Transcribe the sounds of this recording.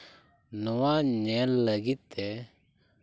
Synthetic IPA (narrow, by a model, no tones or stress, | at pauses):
nɔwaɲɛlːəɡit̪ːɛ